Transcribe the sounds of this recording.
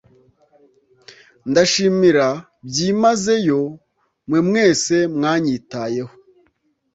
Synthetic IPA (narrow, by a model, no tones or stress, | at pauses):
ndaʃiːmiɾa | bɟimaze̞jo̞ | mwemŋe̞ːse̞mŋaːɲitaje̞ho̥